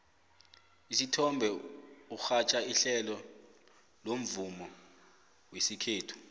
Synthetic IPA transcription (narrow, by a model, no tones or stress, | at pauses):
isitʰɔmbʱɛuxat͡ʃʼaiɬɛlɔ | lom̩vumɔ | wesikʰeːtʰu̥